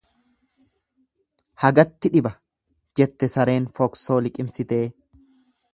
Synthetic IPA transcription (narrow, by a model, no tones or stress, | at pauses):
hɐɡɐt̪ːɪᶑɪbɐ | d͡ʒɛt̪ːɛsɐɾe̞ːnfɔkso̞ːlɪkʼɪmsɪt̪e̞ː